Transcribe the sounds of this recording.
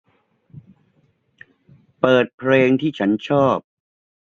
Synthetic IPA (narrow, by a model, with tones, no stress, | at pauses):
pɤː˨˩t̪̚pʰɾeː˧ŋt̪ʰiː˥˩t͡ɕʰa˦˥nt͡ɕʰɔː˥˩p̚